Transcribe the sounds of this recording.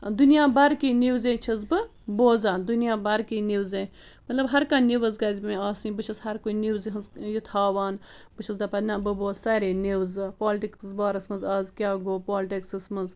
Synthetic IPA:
d̪unijaːbɐɾkiniwzẽːt͡ʃʰɐzbɨ | boːzaːnd̪unijaːbɐɾkiːniwzẽː | mɐt̪lɐbɦɐɾkãːniʋɐzɡɐːzʲmẽaːsĩːbɨt͡ʃʰɐshɐɾkoniwziɦɐnzjit̪ʰaːʋaːn | bɨt͡ʃʰɐsd̪ɐpɐnãːbɨboːtsaɾeːniwzɨpoːlʈiksbaːɾɐsmɐnzɐzkʲjaːɡoːpoːlʈiksɨsmɐz

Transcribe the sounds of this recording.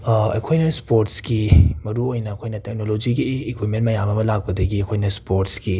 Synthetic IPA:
ɐ̰kʰojnɐspoɾtskimɐɾuojnɐːkʰojnɐtek̚nolod͡ʒiɡiːkʰwit̚mentmɐjamɐmɐlak̚pɐdɐɡiɐkʰojnɐspoɾtsɡi

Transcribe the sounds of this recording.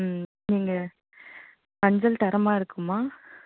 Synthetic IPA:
niːŋɡɐ | mɐɲd͡ʒɐlt̪ɐɾɐmaːɪɾɯkːɯmːaː

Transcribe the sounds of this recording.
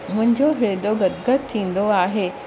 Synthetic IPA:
mʊ̃ɦɪ̃ɲd͡ʑoɦɪɭed̪oɡɐd̪ɡət̪t̪ʰːĩːn̆d̪oaːɦeː

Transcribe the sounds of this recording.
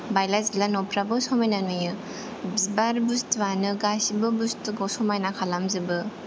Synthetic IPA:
bajlazilanɔpɾabɯsɔmajnanɔjɯ | bzibaɾbustwanɯɡasibɯbustɯɡɔwsɔmajnakʰalamzɯbɯ

